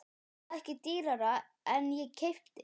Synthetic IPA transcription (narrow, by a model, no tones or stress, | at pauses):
ɛhcɪt̪iːɾaɾa | ɛnjɛɣcʰejft̪ɪ